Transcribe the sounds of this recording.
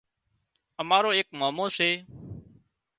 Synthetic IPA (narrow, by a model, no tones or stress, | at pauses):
əmaːɾoːeːkmaːmoːseː